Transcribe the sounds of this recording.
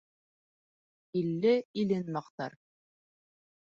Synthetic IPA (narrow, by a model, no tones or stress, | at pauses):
ilːɘilɘnmɑqt̪ɑ̰ɾ